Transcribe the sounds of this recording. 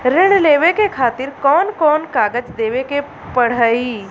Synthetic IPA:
ɾɪɽleːʋekekʰaːt̪ɪɾkɔːnkɔːnkaːɡəd͡ʒd̪eːʋeke | pəɽ̤əiː

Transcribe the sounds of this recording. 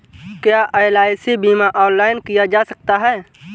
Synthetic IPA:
kjaːʔaelaːɪsibiːmaʔɔːnlaːɪnkijad͡ʒaːsɐk̚t̪aɦɛː

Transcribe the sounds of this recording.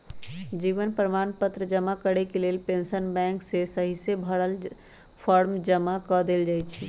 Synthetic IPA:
d͡ʒiːʋənpɾəmaːnpət̪ɾəd͡ʒəmakəɽekeleːlpẽnsənbɛ̃ːŋksesəɦisəbʱəɽəl | pʰɔːɾmd͡ʒəmakɔd̪eld͡ʒaːjt͡ʃʰi

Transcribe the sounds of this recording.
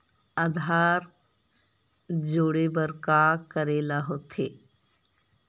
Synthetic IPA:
ad̪ʱaːɾ | d͡ʒoːɽebəɾkakəɾeːlaɦoːt̪ʰeː

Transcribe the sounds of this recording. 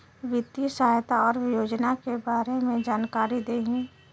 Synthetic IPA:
ʋɪt̪isəajt̪aɔːɾjoːd͡ʒnakebaːɾemẽd͡ʒaːnkaːɾid̪eːɦi

